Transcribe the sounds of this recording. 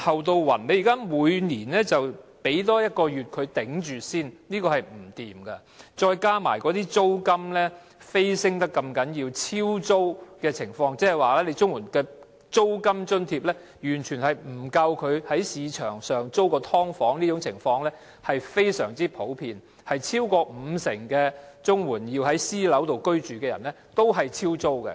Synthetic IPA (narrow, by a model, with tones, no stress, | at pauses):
hɐ˨wt̪o˧wwɐ̰˨˩nne˨˧jːkaː˥muː˨˧jniː˨˩nlɛː˥t͡sɐ˨wpe˨˥jt̪ɔː˥jɐ˥t̚kɔː˧jyː˨t̚kʰɵ˨˧t̪ɪ˨˥ŋt͡ʃyː˨siː˥nniː˥kɔː˧hɐ˨˩jm̩˨˩t̪iː˨mkɐ˧ | t͡ʃɔː˧jkaː˥ma̰ː˨˩jkɔː˨˥t̪iː˥t͡so˥wkɐ˥mlɛː˥ | fe˥jsɪ˥ŋt̪ɐ˥kːɐ˧mkɐ˨˥njiː˧wt͡sʰiː˥wt͡so˥wkɛː˧t͡sʰɪ˨˩ŋfɔː˧ŋt͡sɛː˥˨jwaː˨lɛː˥le˨˧jt͡sʊ˥ŋwuː˨˩nkɛː˧ | t͡so˥wkɐ˥mt͡ʃɵ˥nt̪ʰiː˧p̚lɛː˥ | jyː˨˩nt͡ʃʰy˨˩nhɐ˨jm̩˨˩kɐ˧wkʰɵ˨˧ɥhɐ˨˥jsiː˨˧t͡ʃʰœ̰ː˨˩ŋsœː˨˩ŋt͡so˥wkɔː˧t̪ʰɔː˥ŋfɔː˨˥ŋniː˥ʊ˨˥ŋt͡sʰɪ˨˩ŋfɔː˧ŋlɛː˥ | hɐ˨jfe˥jsœː˨˩ŋt͡siː˥pʰo˨˥wpʰiː˧n | hɐ˨jt͡sʰiː˥wkɔː˧m̩˨˧sɪ˨˩ŋkɛː˧t͡sʊ˥ŋwuː˨˩njiː˧wɦɐ˨˥jsiː˥lɐ˨˥wt̪o˨wkɵ˥ɥt͡ʃyː˨kɛː˧jɐ̰˨˩nlɛ˥t̪o˥wɦɐ˨jt͡sʰiː˥wt͡so˥wkɛ̰˧